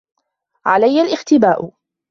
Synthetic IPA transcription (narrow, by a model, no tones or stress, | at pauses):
ʕalajːalʔɪxt̪ɪbaːʔʊ